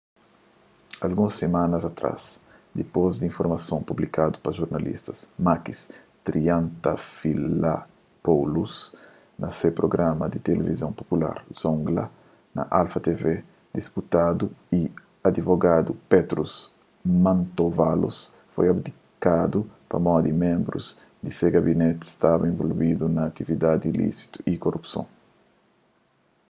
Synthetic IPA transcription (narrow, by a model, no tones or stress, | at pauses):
alɡũsːemãnɐzat̪ɾa̰s | d̪epozd̪ĩɱfoɾmɐsõpublikad̪u̥pɐʒuɾnalḭst̪ɐsmakis | t̪ɾiãnt̪ɐfila̰ | powlus | nɐsepɾoɡɾamɐd̪ɪt̪elevizõmpopula̰ɾz̥õŋɡlɐ̰ | nɐ̰ʔalfat̪eve | d̪isput̪ad̪ui | ad̪ivoɡad̪upet̪ɾus | mãnt̪ovalṵs | fojɐbd̪i | kad̪upɐ̰mɔd̪imẽmbɾṵz | d̪iseɡabinet̪i̥st̪avɐẽɱvolvid̪unɐːt̪ivid̪ad̪ilḭsi̥t̪u̥ʔikorʔupsõ̰ŋ